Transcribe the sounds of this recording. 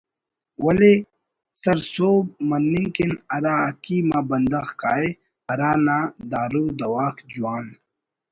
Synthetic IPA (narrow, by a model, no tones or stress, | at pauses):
wɐle | sɐɾsoːb̚mɐnːiŋkinɐɾaːkiːmaːbɐnd̪ɐxkaːe | ɐɾaːnaːd̪aːɾuːd̪ɐwaːkd͡ʑuwaːn